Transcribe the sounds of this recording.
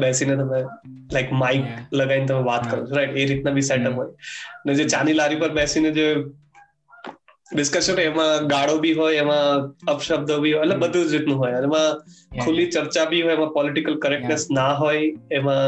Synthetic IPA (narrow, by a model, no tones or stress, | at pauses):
bɛsinet̪əmẽlaɪkmaɪkləɡainet̪̬əmẽʋat̪kəɾũt͡ʃʰuɾaɪʈeɾit̪nabʱisɛʈəpɦoːjəned͡ʒet͡ʃanilaɾipəɾbɛsined͡ʒe | ɖɪskəɾʃt̪oɛmãɡaɽobʱiɦoːjemãəpʃəb̚d̪obʱiɦoəʈlebəd̪ʱud͡ʒɾɪt̪nũɦoːjənemãkʰulit͡ʃəɾt͡ʃabʱiɦoːjemãpɔlɪʈɪkəlkəɾɛk̚ʈnesnaɦoːjemã